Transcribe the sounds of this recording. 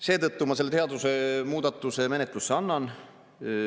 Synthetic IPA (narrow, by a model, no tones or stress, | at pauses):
se̞ːt̪ɤt̪ːumɑselːeeɑd̪use̞muːd̪̥ɑt̪ːˑuse̞me̞net̪ˑlusːeɑnːɑn